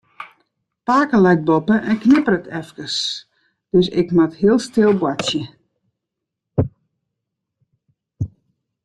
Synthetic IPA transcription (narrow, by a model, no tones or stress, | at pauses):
paːkəlɛjt̚bɔpəʔɛnknɪpərətʰɛfkəs | d̥øsɪ̰kmathiəlˠstɪlˠbwatjə